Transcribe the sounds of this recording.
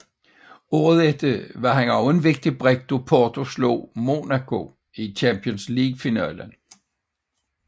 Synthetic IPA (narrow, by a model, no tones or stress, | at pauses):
oːðˠed̥əʋɑ̈ɦænɒʊe̝nʋe̝ɡ̥̚d̥ib̥ʁɛɡ̥̚d̥opʰɒːt͡sʰo̝slo̰ːmo̝nækʰo̝ | it͡ɕʰæmpʰiɔnsliːɡ̥̚finæ̰ːlən